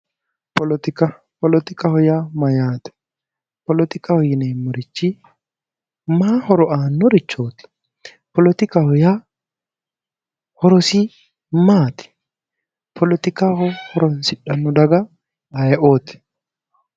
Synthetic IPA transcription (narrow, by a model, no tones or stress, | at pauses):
pɔlɔt̪ɪkɐ | pɔlɔt̪ɪkɐhɔjamɐjaːt̪ɛ̥ | pɔlɔt̪ɪkɐhɔjɪneːmːɔɾɪt͡ʃːi | maːhɔɾɔʔaːnːɔɾɪt͡ʃːoːt̪ɪ̥ | pɔlɔt̪ɪkɐhɔja | hɔɾɔsi | maːt̪ɛ̥ | pʰɔlɔt̪ɪkahɔhɔɾɔnsɪᶑːɐnːɔd̪ɐɡɐ | ɐjɛʔoːt̪ɛ̥